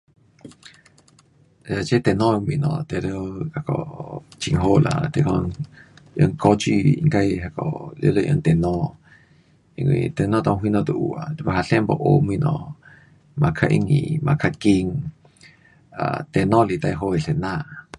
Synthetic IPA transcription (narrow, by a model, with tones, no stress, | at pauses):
a˧t͡ʃe˦t̪e˧nɔ̃˦˧mwĩ˧nɔ̰̃˧˨t̪e˧ɾo˦a˧ko̰˧˨t͡ʃi˧ŋɦo˦lʔa˧˨t̪e˧ko˧ | ə˧ŋko˧t͡ʃi˦˧i˧ŋɡa˦˧jɦa˧ko˨lo˧lə˧ʔə˧ŋt̪e˨nɔ̃˧ | i˧ŋwḭ̃˧t̪e˧nɔ̃˦t̪õ˧wi˧nɔ̃˧d̪u˧ʔu˨a˨t̪i˧ba˧ɦa˧ɬe˦mbo̰˧ʔo˧mĩ˧nɔ̃˧˨ | ma˧kʰa˧ʔḭ˧ŋḭ˧mã˧kʰa˧ki˧ŋ | a˨t̪e˧nɔ̃˦li˧t̪a˧jɦo˧i˨ɬe˨nã˦˧ʔ